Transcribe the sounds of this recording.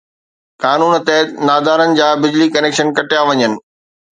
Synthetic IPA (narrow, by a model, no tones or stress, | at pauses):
kaːnuːnt̪ɛːt̪naːd̪aːɾənɪ̆d͡ʑaːbɪd͡ʑlikɐneːkʃənkɐʈɪjaʋɐɲənɪ̆